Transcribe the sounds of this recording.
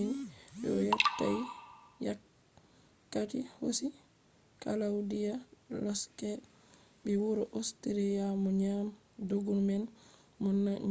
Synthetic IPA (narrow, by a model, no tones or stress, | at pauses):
inɗɛ̰ɔjatːajja | kːatihosi | kalawdijalɔskɛ | bɛwuɾɔʔostiɾɛjamɔɲam | doɡunmɛn | mɔnːa